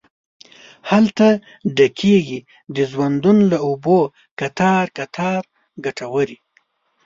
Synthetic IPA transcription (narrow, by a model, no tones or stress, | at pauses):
halt̪a | ɖakʰeɡi | d̪əzwand̪unlaobo | kat̪ɑɾkat̪ʰɑɾ | ɡaʈawəɾi